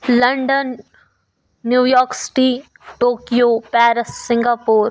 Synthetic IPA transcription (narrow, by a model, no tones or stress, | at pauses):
lɐ̃ɳɖən | juːjɔːɾksɪ̥ʈi | ʈoːkijoːpɛːɾəsːɪ̃ŋɡaːpoːɾ